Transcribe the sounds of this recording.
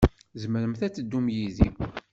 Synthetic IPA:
zməɾəmθæt͡sːəd̪ːumjiði

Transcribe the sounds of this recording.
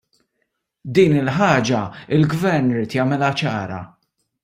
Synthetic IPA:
d̪iːnɪlħɐːd͡ʒɐɪlɡvɛɾnɪɾiːt̪jɐmɪlɐt͡ʃɐːɾɐ̰

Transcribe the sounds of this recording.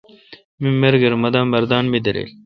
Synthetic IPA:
mimeɾɡeɾmɐd̪aːmːɐɾd̪aːnmid̪ɐɾḛl

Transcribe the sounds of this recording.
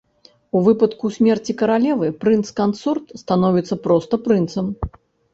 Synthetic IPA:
uvɨpɐt̪kusʲmʲɛrt͡sʲikɐɾalʲɛvɨpɾɨnt̪skant̪surt̪st̪anɔvʲit̪sːɐpɾɔst̪ɐpɾɨnt̪sɐm

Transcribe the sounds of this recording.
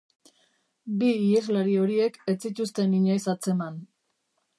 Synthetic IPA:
biːezlaɾio̞ɾie̞ke̞t͡sit̪ust̪e̞niɲajsat͡se̞man

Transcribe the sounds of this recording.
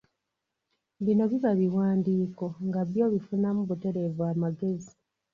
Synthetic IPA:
βino̞βiβaβiwaːndiːko̞ŋɡaβjo̞ːβifunamuβute̞ɾe̞vuaːmaɡe̞zi

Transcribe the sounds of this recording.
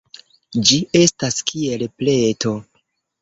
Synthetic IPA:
d͡ʒie̞staskie̞lple̞tʰo̞

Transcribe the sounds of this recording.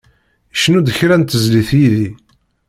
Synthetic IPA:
ʃnud̪əçɾænt̪əzliθjiði

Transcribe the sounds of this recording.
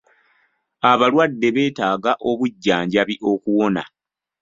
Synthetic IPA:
aβalwadːe̞βe̞ːtaːɡaʔo̞βuɟːaːɲɟaβiʔo̞kuwo̞na̰

